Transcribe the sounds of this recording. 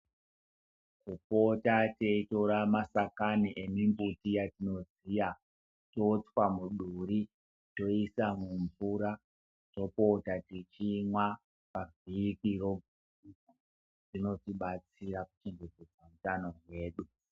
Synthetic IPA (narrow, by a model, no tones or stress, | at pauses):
kupo̞tateitoɾamasakaniʔemimbutijatino̞zija | to̞t͡swamuɗuɾi | to̞isamuɱvuɾa | to̞po̞tatit͡ʃimwa | pavʱikiro | rino̞tiɓat͡siraku̥t͡ʃeŋɡed͡zed͡zamutano̞ɦwe̞ːɗu